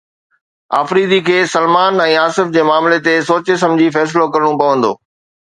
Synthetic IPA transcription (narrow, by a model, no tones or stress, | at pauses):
a̰ːfɾiːd̪ʱikʰeːsɐlmaːnɛ̃ːaːsɪfd͡ʑeːmaːmlet̪esoːt͡ɕes̬ɐ̃md͡ʑʱifɛːs̬ɪlokɐɾɽ̃õpɐʋə̃nd̪o̰ː